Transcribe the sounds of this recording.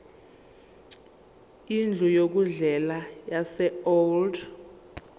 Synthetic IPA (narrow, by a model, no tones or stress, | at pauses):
ind͡ɮʱujok̬uɮɛlajasɛold